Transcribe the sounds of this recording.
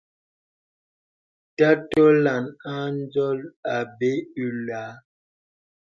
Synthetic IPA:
ta˦tɔ˦la˨na˦n˦d͡zɔ˦la˨be˦ʉ˨la˨˦

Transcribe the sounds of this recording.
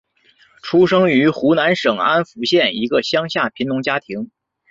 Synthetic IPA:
ʈ͡ʂʰu˥ʂɤ˥ŋy˧˥xu˧˥na˧˥nʂɤ˨˩ŋa˥nfu˧˥ɕjɛ˥˩ni˧˥ɡə˧ɕjɑ˥ŋɕja˥˩pʰi˧˥nnʊ˧˥ŋt͡ɕja˥t̪ʰi˧˥ŋ

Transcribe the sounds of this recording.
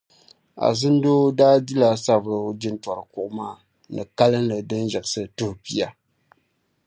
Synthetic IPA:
a̰˨zɨ˦n˦doː˦daː˦di˦la˨sa˦bɾɨ˨˦d͡ʒi˦n˦tɔ˨ɾɨ˨kʊ˨ʔʊ˦maː˦˨ | nɨ̰˨ka˦lɨ˦n̩˦lɨ˨dɨ˦n˦ʒɨ˨ʔɨ˨sɨ˨to˦hpi˨a˨

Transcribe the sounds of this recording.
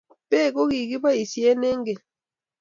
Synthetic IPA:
pe˦˨ko˦ki˨ki˦ba˦i˨si˨ɛ˦nɛ˦ŋɡe˨

